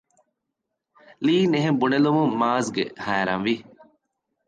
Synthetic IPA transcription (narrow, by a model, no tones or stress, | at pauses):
liːneɦẽmbunelumũmaːzɡḛhæːɾɐ̰̃nʋi